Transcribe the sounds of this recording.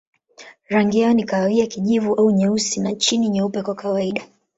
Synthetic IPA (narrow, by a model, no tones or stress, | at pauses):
ɾaŋɡiaɔnikaawiakiʄivuʔauɲɛusinat͡ʃiniɲɛupɛkwakawaiɗa